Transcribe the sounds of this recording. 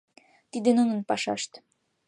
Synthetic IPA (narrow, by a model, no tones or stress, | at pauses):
t̪id̪ĕnonə̆npɑʃɑ̰ʃt̪